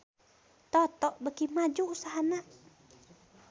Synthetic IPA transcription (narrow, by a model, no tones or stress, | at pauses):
t̪ɔt̪ɔʔbəkimad͡ʒuːsaɦana